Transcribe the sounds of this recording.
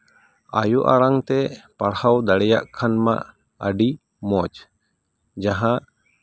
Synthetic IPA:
a̰juʔaɾaŋt̪ɛpaɽhawd̪aɽɛjaʔkʰanma̰ʔ | ə̰ɖi | mɔt͡ʃ | d͡ʒaɦãʔ

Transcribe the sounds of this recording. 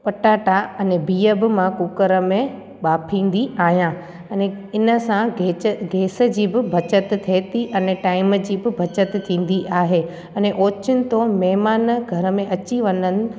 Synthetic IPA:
pɐʈaːʈaɐnebiːəbɪmãkuːkəɾə̆mẽ | ɓaːpʰĩːn̆d̪iʔaːɦijãː | ɐneɪnə̆sãɡeɡʱeːsə̆d͡ʑiːbɪbʱɐt͡ɕət̪t̪ʰeːt̪iʔɐneʈaːɪməd͡ʑiːbɪbʱɐt͡ɕət̪t̪ʰĩːn̆d̪iʔaːɦe | ɐneʔoːt͡ɕɪnɪ̆t̪omɛɦmaːnɡʱɐɾəmẽʔɐt͡ɕiʋɐnənɪ̆

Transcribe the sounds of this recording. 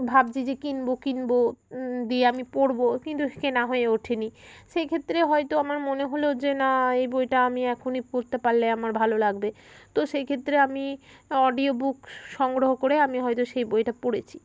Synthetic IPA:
bʱab̚d͡ʑid͡ʑekinbokinbod̪ieamipoɽbokint̪ukenaɦoeoʈʰeniʃejkʰet̪ːɾeɦɔjt̪oamaɾmoneɦolod͡ʑenaejbojʈaamiɛkʰonikoɾt̪epaɾleamaɾbʱalolaɡbe | t̪oʃejkʰet̪ːɾeamiɔɖiobukʃɔŋɡɾoɦokoɾeamiɦɔjt̪oʃejbojʈapoɽet͡ɕʰi̥

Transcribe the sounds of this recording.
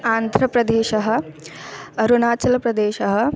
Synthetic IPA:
aːnd̪ʱɾɐpɾɐd̪eːʃɐɦɐ̆ | ɐɾuɳaːt͡ʃɐlɐpɾɐd̪eːʃɐɦɐ̆

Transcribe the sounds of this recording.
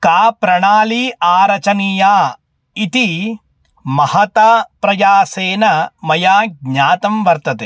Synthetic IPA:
kaːpɾɐɳaːliːʔaːɾɐt͡ʃɐnijaː | it̪i | mɐhɐt̪ɐpɾɐjaːseːnɐmɐjaːɡ̚ɲaːt̪ɐmʋɐɾt̪ɐt̪e

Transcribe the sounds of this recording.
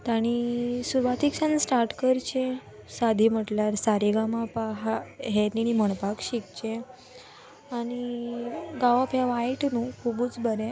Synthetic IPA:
t̪aɽ̃isuɾʋat̪iksãnsʈaɾʈkəɾt͡ɕẽ | sad̪ʱim̤əʈlaɾsaɾiɡamapaɦaɦeniñiməɳpakɕik̚t͡ɕẽ | aɽ̃i | ɡãʋapjaʋajʈnũkʰubuːt͡sbəɾe

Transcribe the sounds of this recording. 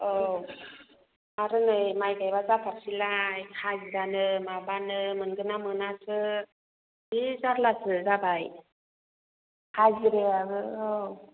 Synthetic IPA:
ow | aɾɯnɯjmajɡajbazapʰak̚silajkʰaziɾanɯmabanɯmɯnɡɯnamɯnasɯ | bizaɾlasɯzabaj | kʰaziɾeaɾɯow

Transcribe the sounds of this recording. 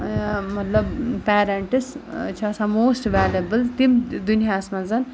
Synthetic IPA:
mʌt̪lʌbpaɾeɳʈist͡ʃʰːsãmoːsʈʋaljɐbəlt̪imd̪unijasmãd͡zʌn

